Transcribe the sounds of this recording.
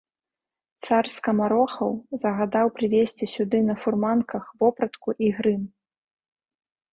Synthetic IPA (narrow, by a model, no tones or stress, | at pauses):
t̪sarskɐmaɾɔxɐwzɐɣad̪awpɾɨvʲesʲt͡sʲisʲud̪ɨnɐfurmankɐxvɔpɾɐt̪kuʔiɣɾɨm